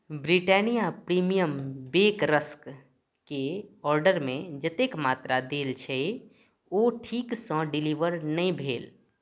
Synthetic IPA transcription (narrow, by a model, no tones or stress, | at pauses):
bɾiʈɛːnijapɾiːmijəmbeːkɾəsk | keɔːɾɖəɾmẽd͡ʒət̪ekmaːt̪ɾad̪eːlt͡ʃʰe | oːʈʰiːksɔ̃ɖɪliːʋəɾnəĩbʱeːl